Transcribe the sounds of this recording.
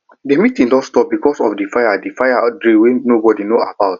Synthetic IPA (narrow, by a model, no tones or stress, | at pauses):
demitĩŋdɔsstɔp̚bikɔsɔfdefajadefajadɹiwenobɔdinoabaʊt